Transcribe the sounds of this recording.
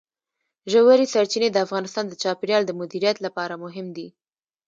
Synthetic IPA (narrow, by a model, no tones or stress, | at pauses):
ʒawaɾisaɾt͡ʃined̪əafɣɑnɪst̪ɑnd̪ət͡ʃɑpɪɾjɑld̪əmʊd̪iɾijat̪lapɑɾamʊɦɪmd̪i